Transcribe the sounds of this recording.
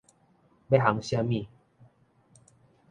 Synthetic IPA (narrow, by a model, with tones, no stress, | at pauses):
be˦ɦa˨˦ŋɕja˧mĩ˥˧˨